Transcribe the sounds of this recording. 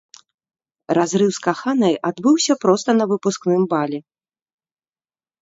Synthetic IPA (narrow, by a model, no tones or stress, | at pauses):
razɾɨwskaxanɐjʔad̪bɨwsʲɐpɾɔst̪ɐnɐvɨpusknɨmbalʲɛ